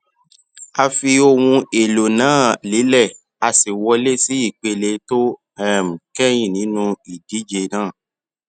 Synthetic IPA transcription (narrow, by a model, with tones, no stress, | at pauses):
a˧fi˧o˧wũ˧e˨lo˨nãː˦˨li˨˦lɛ˦˨ | a˧si˨wɔ˧le˦si˦i˦˨k͡pe˧le˧to˦ | ɛ˦˨m̩˨kɛ˦j̃ĩ˦˨nĩ˨˦nũ˧i˨di˨˦d͡ʒe˧nãː˦˨